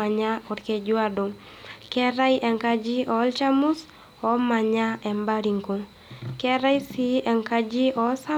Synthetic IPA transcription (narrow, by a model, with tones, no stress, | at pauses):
a˨ɲa˦ɔ˨ɾkɛ˨d͡ʒwa˦do˨ | kɛ˦ɾa˦jʔɛ˨ŋka˦d͡ʒi˦ʔɔ˨˦lt͡ʃa˦mu˦s | ɔ˨ma˨ɲa˦ɛ˨mba˦ɾi˨ŋko˨ | kɛ˦ɾa˦jsi˦ɛ˨ŋka˦d͡ʒi˦ʔɔ˨˦sa˦